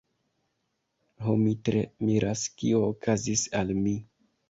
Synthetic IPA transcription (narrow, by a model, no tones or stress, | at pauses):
ɦomitɾemiɾaskioːkʰazisalmi